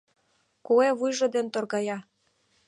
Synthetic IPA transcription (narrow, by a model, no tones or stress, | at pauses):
kueβujʒŏd̪ent̪orɣɑjɑ